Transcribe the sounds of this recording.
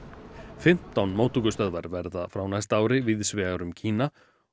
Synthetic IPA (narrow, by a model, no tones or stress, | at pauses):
fɪm̥t̪ːawnmoːwt̪ukʏst̪œðvaɾvɛɾðafɾawnajst̪aːwɾɪvɪðsvɛːɣaɾʏmcʰiːna